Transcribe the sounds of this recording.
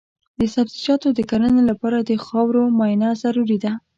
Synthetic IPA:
d̪əsabzid͡ʒɑt̪od̪əkaɾənelapɑɾad̪əxɑwɾomɑjnazaɾuɾid̪a

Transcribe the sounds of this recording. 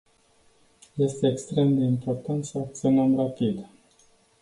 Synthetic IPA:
je̞st̪e̞ːkst̪ɾe̞md̪e̞impo̞rt̪ant̪səak̚t̪sionəmrapid̪

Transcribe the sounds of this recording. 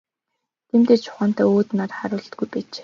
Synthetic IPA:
t̪ʰem̥t̪eːt͡ɕʰʊ̥χaːn̥t̪œːoːt̪natχaɾʊːɮt̪̚ɡujpæːt͡ɕː

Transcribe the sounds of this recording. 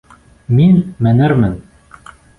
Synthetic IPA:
minmænɘɾmɘn

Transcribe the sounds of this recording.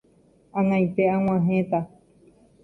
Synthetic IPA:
ãnãj̃t̪eãŋ̃ãɦẽt̪a

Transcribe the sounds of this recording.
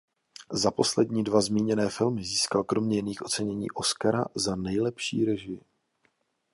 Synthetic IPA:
zapo̞slɛdɲiːdvazmiːɲɛnɛːfɪlmɪziːskalkɾo̞mɲɛjɪniːxʔo̞t͡sɛɲɛɲḭːʔo̞skaɾa̰zanɛjlɛpʃḭːɾɛʒɪjɪ

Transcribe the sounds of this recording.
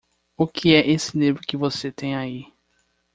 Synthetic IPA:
ʊkʰiɛʔesɪnẽbɾʊkɪvoset̪ẽj̃ai

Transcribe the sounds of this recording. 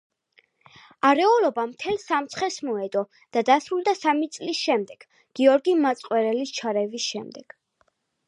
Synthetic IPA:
aɾɛɔlɔbamt̪ʰɛlsamt̪sʰχɛsmɔɛd̪ɔ | d̪̥ad̪asɾulˠd̪asamit̪sʼlisʃɛmd̪ɛɡ̥ | ɡ̥iɔɾɡimat̪sʼqʼwɛɾɛlist͡ʃʰaɾɛvisʃɛmd̪ɛɡ̥

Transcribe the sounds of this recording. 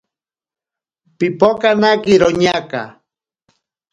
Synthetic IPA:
pipokanakiɾoɲaka̰

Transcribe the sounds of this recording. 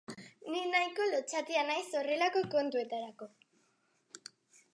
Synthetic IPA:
ninajko̞lot͡ʃat̪ianajso̞re̞lako̞ko̞nt̪ue̞t̪aɾako̞

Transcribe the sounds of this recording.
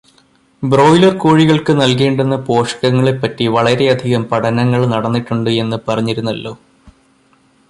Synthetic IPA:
bro̞ːjlɐrkoːɻiɣɐɭkɨnɐlkeːɳɖenːɐpo̞ːʂɐ̥kɐŋːɐɭepːɐtːiʋɐɭɐɾe̞ɐd̪ʱiɣɐmpɐʈʰɐnɐŋːɐɭnɐɽɐnːiʈːuɳɖɨe̞nːɨpɐrɐɲːiɾunːɐlːo̞ː

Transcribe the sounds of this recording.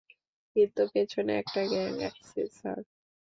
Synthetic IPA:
kint̪uket͡ɕʰonḛɛ̰k̚ʈaɡɛŋɛ̰ksḛsa̰ɾ

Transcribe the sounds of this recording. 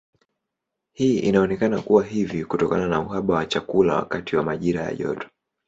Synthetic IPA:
hiːʔinaɔnɛkanakuwaɦivikutɔkananauhaɓawat͡ʃakula̰wa̰katiwamaʄiɾaja̰ʄɔ̰tɔ̥

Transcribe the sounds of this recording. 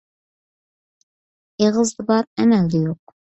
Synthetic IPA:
eʁəzd̪ɨbɑɾɛmæld̪ɪjoq̚

